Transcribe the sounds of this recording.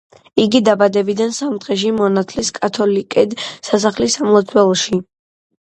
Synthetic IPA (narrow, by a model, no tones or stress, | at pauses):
iɡid̪abad̪ɛbid̪ansamt̪ʁɛʃ̬imɔnat̪ʰliskʼat̪ʰɔlikʼɛd̪sas̬aχlisamlˠɔt̪sʰwɛlˠɔʃi